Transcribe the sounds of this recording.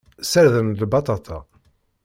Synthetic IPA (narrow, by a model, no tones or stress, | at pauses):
səɾðənlbɑt̪ˤɑt̪ʰɑ̰